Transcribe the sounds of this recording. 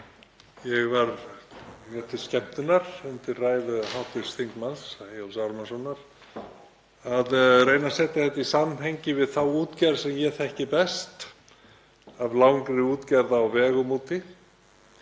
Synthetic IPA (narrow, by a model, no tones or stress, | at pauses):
jɛɣvaɾ | nɛt̪ɪ̥scɛm̥t̪ʏnaɾ̥ʏnt̪ɪrraːjðʏhawt̪ɪ̥sθiŋkmansjowlsaɾmasɔnːaɾ̥ | aðrejnasɛht̪ɪθɛht̪aisamɦejɲcɪvɪðθawuːt̪cɛɾsɛmjɛθɛhcɪpɛst̪ | avlawŋkɾɪuːt̪cɛɾðaːwvɛːɣʏmuːt̪ɪ